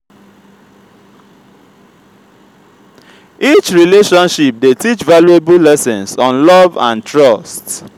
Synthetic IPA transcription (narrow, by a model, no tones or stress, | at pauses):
it͡ʃɹileʃɔ̃nʃip̚detit͡ʃvaluebulɛsɛ̃nsɔ̃nlɔvã̰ntʰɹɔst